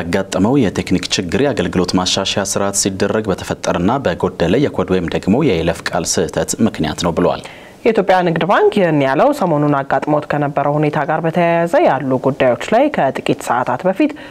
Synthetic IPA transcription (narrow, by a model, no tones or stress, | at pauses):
aɡːat̪ʼːəməwjɛt̪ʰe̞knikt͡ʃɪɡːɨɾaɡəlɡɨlo̞t̪maʃaʃasɨɾat̪sid̪ːərːəɡbət̪ʰə̥fət̪ʼːəɾɨnːabəɡo̞d̪ːələjɛkʰod̪wojɪmd̪əɡmo̞jɛeləfkʼa̰lsɨʔɨt̪ʰət̪mɨknija̰t̪nəwbɨlwa̰l | jɛit̪ʰjopʼjanɨɡd̪baŋkjɛhɨnːjaləwsəmo̞nunaɡːat̪ʼməwot̪kʰənəbːəɾəwhune̞t̪ʰaɡaɾbət̪ʰəjajazəjalːuɡud̪ːajwo̞t͡ʃːlajkʰət̪ʼɨkʼit̪səʔa̰t̪ʰat̪bəfit̪